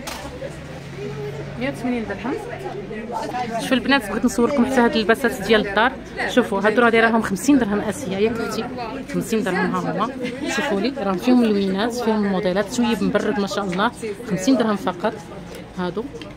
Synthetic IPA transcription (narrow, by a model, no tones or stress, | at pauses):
mjæwt̪mænind̪əɾˤhəm | ʃufilbnæt̪bɣid̪nsˤɑwːəlkmħt̪ahæd̪əlbæsæt̪d̪jælət̪ˤːɑɾˤ | ʃufuɦæd̪uɾˤɑd̪iɾˤɑɦʊmxəmsind̪əɾˤhəmʔæsəjːæjækəħt̪i | xəmsind̪əɾɦəmɦæɦʊmːæʃufuliɾˤɑhʊmfihʊməlwinæsfihʊməlmud̪ˤelæt̪ːwjːəbmbɑrˤːəd̪mæʃæʔəlˤːɑhxəmsind̪əɾˤhəmfɑqɑt̪ˤ | hæd̪u